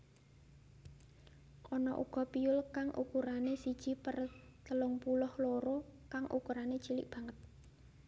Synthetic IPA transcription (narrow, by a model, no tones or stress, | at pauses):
ʔɔnɔʔṵɡ̥ɔ̤piʊlkaŋʔṵkuɾanesid̥ʒ̥i̤pərt̪əlʊŋpulʊhloɾokaŋʔṵkuɾane̥t͡ʃilɪ̰ʔb̥ä̤ŋət̪̚